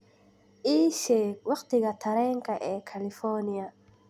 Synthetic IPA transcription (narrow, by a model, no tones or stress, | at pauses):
ʔiːʃɛːwɑqt̪ɪɣɐt̪ʰɐɾɛːŋkɐʔɛːkʰɐlɪfɔːnɪjɐ